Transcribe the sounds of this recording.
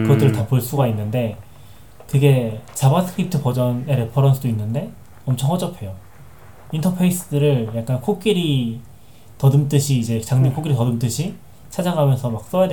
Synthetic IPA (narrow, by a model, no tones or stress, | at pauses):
kɯɡʌt͈ɯɾɯɭtapʰɯɭs͈uɡainːɯnde̞ | kɯɡe̞t͡ɕabasʰɯ̥kʰip̚tʰɯpʌd͡ʑʌneɾepʰʌɾʌnsʰɯdoinːɯnde̞ | ʌmt͡ɕʰʌŋɦʌd͡ʑ͈ʌpʰe̞jo | intʰʌpʰe̞is͈ɯdɯɾɯɭjak͈̚ankʰok͈iɾi | tʌdɯmt͈ɯɕʰiːd͡ʑe̞t͡ɕaŋniŋkʰok͈iɾitʌdɯmt͈ɯɕʰi | t͡ɕʰad͡ʑaŋɦamjʌnsʰʌmak̚s͈ʌjad